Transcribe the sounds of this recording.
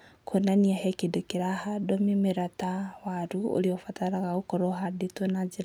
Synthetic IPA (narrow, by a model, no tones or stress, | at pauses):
kʰonaniahekidokiɾahadomimeɾatawaɾuo̰ɾiofataɾaɣaokoɾoɦaditonad͡ʒiɾ